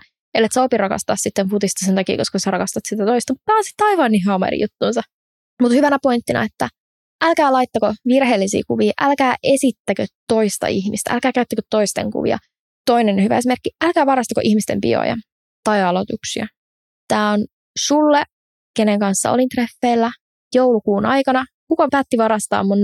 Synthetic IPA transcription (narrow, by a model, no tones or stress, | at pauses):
elːet̪sopirɑkɑ̰st̪ɑːssit̪ːemput̪ist̪ɑsent̪ɑkḭːkoskɑsɑɾɑkɑst̪ɑt̪sit̪æt̪oist̪ɑmut̪tæːonsi̥t̪ːɑiʋɑːnːiɦɑmɑ̰ɾḭjut̪ːuːnsɑ | mut̪hyʋænæpoint̪ːinɑ̰et̪ːæ | ʔælkæːlɑit̪ːɑkoʋirɦeːlːisḭːkuʋiːʔælkæːʔesit̪ːækøt̪ːo̞ist̪ɑ̰içmist̪æ̰ʔæ̰lkæːkæyt̪ːækøt̪tːoist̪ḛŋkṵʋḭɑ̰ | t̪oinenhyʋæ̰es̬ime̞rkːiælkæːʋɑɾɑst̪ɑko̰ʔihmist̪empḭo̰jɑ̰ | t̪ɑjɑlot̪uksiɑ | t̪æːon | sulːe | keneŋkɑnsːɑ̰o̰lint̪refːeːlːæ | jowlukuːnɑ̰jkɑnɑ | kukɑpæːt̪ːiʋɑɾɑst̪ɑ̰ːmmun